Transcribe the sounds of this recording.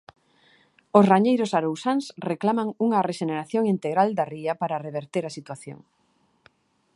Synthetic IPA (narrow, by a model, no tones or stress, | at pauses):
ʊsraɲejɾʊsaɾowsaŋsreklamaŋuŋɐreʃeneɾaθjoŋint̪eɣɾald̪ɐriɐpaɾɐreβeɾt̪eɾɐsit̪waθjo̰ŋ